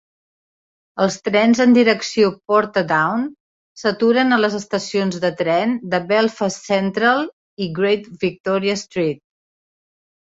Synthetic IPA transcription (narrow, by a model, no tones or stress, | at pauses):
əlˠst̪ɾɛnzənd̪iɾəksiopɔɾt̪d̪awn | sət̪uɾənələzəst̪əsionzðət̪ɾɛnd̪əbɛlˠfəsɛnt̪ɾəlˠ | iɡɾejt̪bik̚t̪ɔɾiəst̪ɾit̪̚